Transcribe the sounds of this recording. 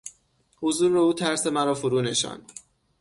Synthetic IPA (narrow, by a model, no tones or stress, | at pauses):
hozuːɾeuːt̪ʰæɾse̞mæɾɒːfoɾuːne̞ʃɒ̰n